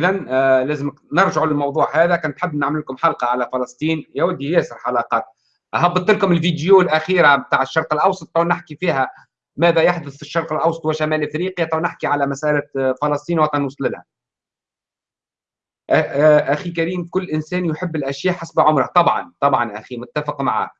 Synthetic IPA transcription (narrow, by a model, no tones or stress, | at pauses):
ʔɪðænlæːzɪmnɑɾˤʒɪʕlɪlmɑwðˤuːʕhæːðækæːnt̪ħɪbːnaʕmɪlkʊmħɑlqɑʕalæfɑlɑsˤt̪ˤiːnjæwæd̪ːijæːsɪɾħɑlɑːqɑːt̪̚ | ʔaɦɑbːɑt̪ːɪlkʊmɪlfid̪juːlʔæxiːɾamt̪aːʕəʃːɑɾˤqɑlʔɑwsˤɑt̪ˤːuːʕnɪħkifiːɦæ | mæːðæjaħd̪ʊθɪʃːɑɾˤqɪlʔɑwsˤɑt̪wæʃæmæːlʔɪfɾiːqjat̪ˤɑʕnɪħkiʕalæmæsʔælæfɑlɑsˤt̪ˤiːnwɑt̪ˤɑnwsˤlɪlhæ̰ | ʔæʔæxikæɾiːmkʊlːʔɪnsæːnjħɪbːɪlʔæʃjæːʔħasbʕʊmɾɑt̪ˤɑbʕɑ̰nt̪ˤɑbʕɑnʔæximʊt̪ːæfɪqmaʕa̰ː